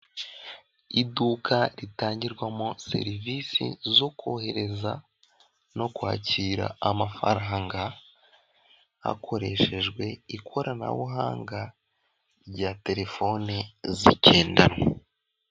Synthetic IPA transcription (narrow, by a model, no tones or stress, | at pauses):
iduːkʰaɾitaːɲɟiɾɡwamo̞se̞̰ɾivisḭzo̞kohe̞ɾe̞za | no̞kwa̰ːciːɾa̰amafa̰ɾaɦaŋɡa | a̰kʰo̞ɾe̞ʃe̞ʒɡwe̞ikʰo̞ɾana̰wuɦa̰ːŋɡa | ɾɟate̞ɾe̞fo̞nezicʰe̞ːndano